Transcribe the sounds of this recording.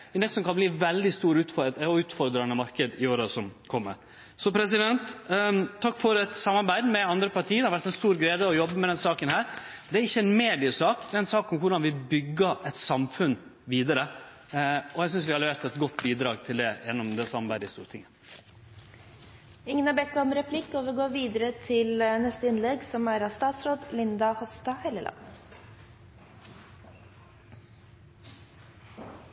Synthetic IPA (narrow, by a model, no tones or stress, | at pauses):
ɛnɛksɔmkɑnbliːʋɛld̪ɪst̪uːɾʉːt̪fɔɔʉːt̪fɔɾd̪ɾɑnəmɑɾkəd̪ɪoːɾəsɔmkʰɔmːə̰ɾ | sɔpʰɾɛs̬ɪd̪ɛnt̪ʰː | ɑkːfɔɾɛt̪sɑmːɑɾbæɪd̪mɛɑnd̪ɾəpɑɾʈ̪ʰiːd̪hɑɾʋæɾʈ̪ɛnst̪uːɾɡɾæːd̪əɔjɔbːəmɛd̪ɛnsɑːkənhæːɾ | d̪ɛæɾɪçːəɛnmeːd̪ɪəsɑːkd̪ɛɛnsɑːkʊmkʰʊɖɑnʋɪbʏɡːəɛt̪sɑmfʉnːʋiːd̪əɾə | ɔjæɪsʏnsʋɪhɑlːəʋɛst̪ʰɛt̪ɡɔt̪ːbiːd̪ɾɑːɡ̚t̪ʰɪld̪ɛjɛnːɔmd̪ɛsɑmbæɾɪst̪ṵːɾt̪ʰɪŋːə | ɪŋːənɑɾbɛt̪ːɔmɾɛpʰlɪkːoːʋəɡoːʋiːd̪əɾət̪ʰɪlnɛst̪əɪnlɛɡsɔmæɾɑst̪ɑːt̪sɾoːd̪lɪnd̪ɑhɔʋst̪ɑːhɛləlɑ̰n